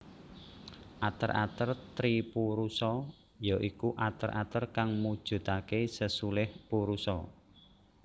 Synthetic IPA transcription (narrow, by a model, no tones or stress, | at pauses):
ʔat̪əɾʔa̰t̪ərt̪ɾipuɾusɔ | jaʔikuʔat̪ərʔa̰t̪ərkaŋmud̥ʒ̥ṳt̪akesəsulɪhpuɾusɔ